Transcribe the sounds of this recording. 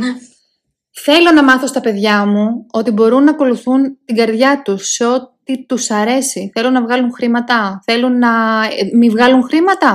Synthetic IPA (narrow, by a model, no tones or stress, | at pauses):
θe̞lo̞nɐmɐθo̞st̪ɐpe̞ðʝɐmuo̞t̪ibo̞ɾunːɐːko̞luθunt̪iɡɐɾðʝɐt̪usːeo̞t̪it̪usɐɾe̞siθe̞lo̞nɐvɣɐluŋxɾimɐt̪ɐθe̞lunːɐmivɣɐluŋxɾimɐt̪ɐ